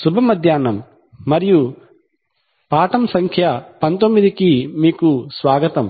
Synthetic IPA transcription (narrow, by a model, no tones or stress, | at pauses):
subʱɐmɐd̪ʱjaːnɐmː | ɐɾiju | paːʈɐmsɐŋkʰjɐpɐnt̪omːid̪ikimiːkusʋaːɡɐt̪ɐm